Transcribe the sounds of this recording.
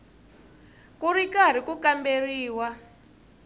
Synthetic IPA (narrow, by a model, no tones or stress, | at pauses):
kurikaɾ̤ikukamberiːwa